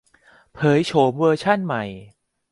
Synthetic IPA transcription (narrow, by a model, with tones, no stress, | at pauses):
pʰɤː˩˦jt͡ɕʰoː˩˦mwɤː˧t͡ɕʰa˥˩nma˨˩j